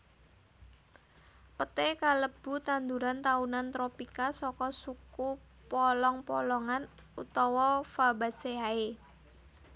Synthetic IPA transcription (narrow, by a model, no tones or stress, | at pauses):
pət̪ekaləb̥ṳt̪and̪uɾant̪aunant̪ɾopikasɔkɔsuku | pɔlɔŋpɔlɔŋan | ut̪ɔwɔfabaseae